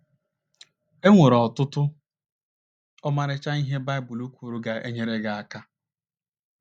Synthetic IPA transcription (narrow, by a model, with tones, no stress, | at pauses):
e˦ŋʷe˨ɾɔ˨tʊ˦tʊ˦ | ɔ˦ma˨ɾɪ˦t͡ʃa˦i˦ɦe˦ba˦ɪ˦bʊ˨lu˦kʷu˨ɾu˦ɡa˨ʔḛ˦ɲe˦ɾe˦ɡa˨a˦˨ka˦